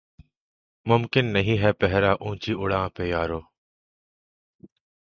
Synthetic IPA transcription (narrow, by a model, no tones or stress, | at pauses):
mʊmkɪnːəɦĩːɦɛːpɛɦɾaːʔũːt͡ʃiːʔʊɽãːpeːjaːɾoː